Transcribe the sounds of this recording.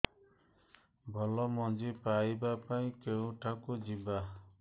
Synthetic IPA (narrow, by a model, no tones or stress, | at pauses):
bʱɔlɔmɔd͡ʒepajbapaĩkeũʈʰakud͡ʒiba